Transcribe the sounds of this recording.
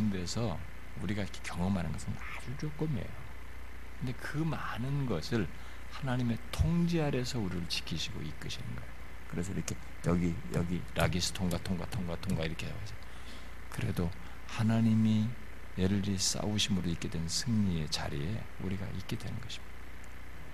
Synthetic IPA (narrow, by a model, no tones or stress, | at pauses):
ɯndesʰʌ | uɾiɡaiɾʌkʰe̥kjʌŋʌmɦanɯnɡʌsʰɯnad͡ʑut͡ɕok͈ɯme̞̰jo | kɯnde̞kɯma | nɯnɡʌsʰɯɭ | hanaɲime̞tʰoŋd͡ʑiaɾe̞sʰʌuɾiɾɯɭt͡ɕi̥kʰiɕʰiɡo̰ik͈ɯɕʰinɯnɡʌeo | kɯɾe̞sʰʌiɾʌkʰe̞ | jʌɡijʌɡiɾʔaɡisʰɯ̥tʰoŋɡatʰoŋɡwa̰tʰoŋɡwatʰoŋɡwaiɾʌkʰe | sʰʌ | kɯɾe̞do | hanaɲimi | jʌʎːis͈a̰uɕʰimɯɾoik͈e̞dwe̞nnsʰɯŋɲie̞t͡ɕa̰ɾiḛ | ṵɾiɡa̰ʔik͈e̞dwe̞nɯnɡʌɕʰimjid̥